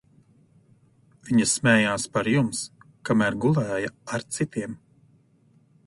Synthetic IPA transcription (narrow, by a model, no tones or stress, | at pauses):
viɲɐsmɛːjaːspaɾjumskamæːɾɡulˠɛːjaaɾt̪sit̪iɛm